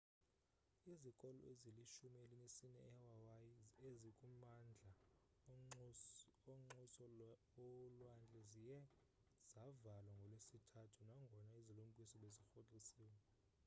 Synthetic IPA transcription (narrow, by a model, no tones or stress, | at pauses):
izikʼɔlɔ̰eziliʃumielinesinɛ̰ːwawajiezikʼumand͡ɮʱa | oŋ͡ǀusɔ | ɔlwand͡ɮʱɛzijɛ | z̥avalwaŋɡʱɔlwesitʰatʰunaŋɡʱɔnaizilum̩kʼisɔlezixot͡ɬʼisiːwɛ